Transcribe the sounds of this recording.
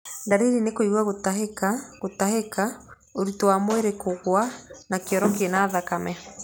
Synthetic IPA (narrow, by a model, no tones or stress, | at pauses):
ndaɾeɾinekoiɣwaɣotaɦekaɣotaheka | oɾutowamoeɾekoɣwanakeɔɾɔkenaːðakamɛ